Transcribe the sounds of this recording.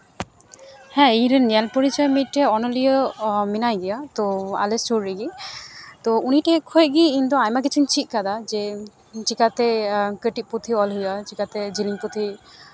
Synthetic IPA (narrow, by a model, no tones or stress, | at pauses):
hɛ̃ejɾenɛlpoɾit͡ʃɔjmit̪̚ʈɛɔnɔlijɔminajɡijat̪ɔa̰lest͡ʃuɾːiɡi | t̪ɔuniʈɛkʰɔjɡiint̪uajmakit͡ʃʰint͡ʃʰit̪̚ˀkad̪ad͡ʒɛ | t͡ʃikat̪ɛkeʈit̪̚put̪ʰiɔlɦujat͡ʃikat̪ɛd͡ʒiliŋput̪ʰi